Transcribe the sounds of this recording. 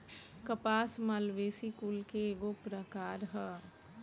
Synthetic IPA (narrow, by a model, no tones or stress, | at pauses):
kɐpaːsmaːlʋeːsikulkeːɡopɾəkaːɾɦɛː